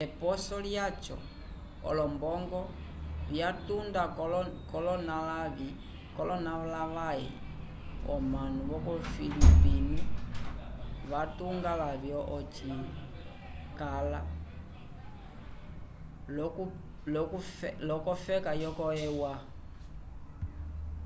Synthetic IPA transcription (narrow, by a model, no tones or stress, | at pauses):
ɛpɔsɔljat͡ʃɔ̰ | ɔ̰lɔmbɔŋɡɔ | βjatundakɔlɔnalaβi | kɔlɔnaβlaʋaɛ̰ | ɔ̰manuβɔkɔfilipini | βatuŋɡalaβjɔʔɔt͡ʃi | kala | llɔkɔfɛkajɔkɔɛwa